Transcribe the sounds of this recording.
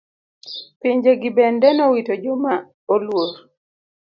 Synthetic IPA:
piɲd͡ʒeɡibɛndɛnɔwitod͡ʒoma | olwoɾ

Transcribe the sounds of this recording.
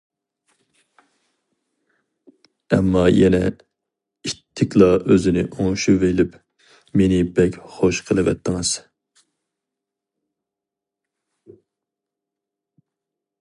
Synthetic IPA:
ɛ̰mːɑjɛnɛ | it̪ʰːɪkʲlˠɑøzɪnɪ̰ʔoŋʃuvelɪp | menɪbɛkʲχoʃqʰəlˠɨvɛ̰t̪ʰːɨŋɨz̥

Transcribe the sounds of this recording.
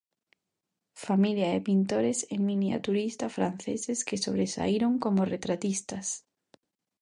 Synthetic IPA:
familjaepint̪oɾesemĩnja̰t̪uɾist̪ɐfɾan̟θḛsɪskɪsoβ̞ɾesa̰iɾoŋkomoret̪ɾat̪ist̪ɐs

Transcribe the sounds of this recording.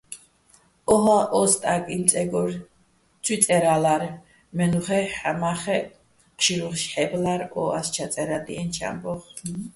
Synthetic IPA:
ɔɦaʔɔst̪ʼakʼint͡s̪ʼɛɡɔɾ | t͡sʰwit͡s̪ʼɛɾalaɾ | mɛnuχɛħamaχɛ | qʃiɾuχʃħɛblaɾɔa̰st͡ʃʰat͡s̪ʼɛɾad̪ḭɛnt͡ʃʰa̰mbɔχ

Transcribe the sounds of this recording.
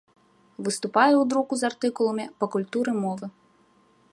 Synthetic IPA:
vɨst̪upajɛwd̪ɾukuzart̪ɨkulˠɐmʲipɐkulʲt̪uɾɨmɔvɨ

